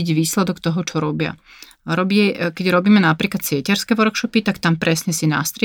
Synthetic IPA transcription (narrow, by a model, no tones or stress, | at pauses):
ɟʋiːslɛd̪ɔkt̪ɔɦɔt͡ʃɔɾɔbɪa̰ | ɾɔbiɛkɛɟɾɔbiːmɛnapɾiːklat̪sɪɛcɛɾskɛʋɔɾkʃɔpit̪akt̪ampɾɛsɲɛsina̰st̪ɾ